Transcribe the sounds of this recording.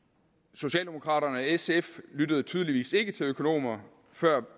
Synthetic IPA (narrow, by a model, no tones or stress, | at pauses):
so̝ɕɛ̰ːld̥e̝mo̝kʰʁɑ̰̈ːɾɐnəɒeseflyd̥əð̞̩ˠt͡sʰyːð̞ˠliʋḭːse̝ɡ̥ət͡sʰe̝løkʰo̝no̝̰ːmɐ | fɶɐ̰